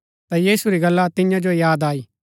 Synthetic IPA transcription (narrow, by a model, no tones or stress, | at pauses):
t̪ajiːsuɾiɡɐlːat̪ɪ̃jãd͡ʒojaːd̪aːiː